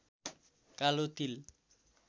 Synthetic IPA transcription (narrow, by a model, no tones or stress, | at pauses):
kalot̪il